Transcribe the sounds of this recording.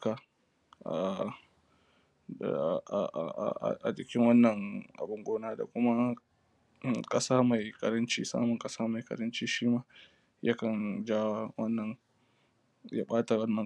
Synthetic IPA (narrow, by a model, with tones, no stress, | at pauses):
ka˨ | ʔa̰˨ | ʔʔʔa̰˨d͡ʒɪ˨kʲɪ˦ŋwɐ˦nːɐ˨ŋʔa̰˨bʊ˨ŋɡʷoː˦naː˦da̰˨kʷʊ˦ma˦˨ | kʼɐ˦saː˦ma˨jkʼɐ˨ɾɐ˦nt͡ʃḭː˦sa̰ː˦mʊ˨ŋkʼɐ˦saː˦ma˨jkɐ̰˨ɾɐ˦nt͡ʃiː˦ʃiː˦maː˦ | jʔa̰˦kɐ˨nd͡ʒaː˦wa˦wɐ˦nːɐ˨n | ja̰ː˦ɓaː˦ta˨wɐ˦nːɐ˨